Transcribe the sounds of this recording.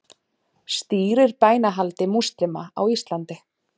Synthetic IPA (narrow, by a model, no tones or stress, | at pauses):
st̪iːɾɪɾpaːjnaɦalt̪ɪmust̪ɾɪmaa̰wist̪lant̪ɪ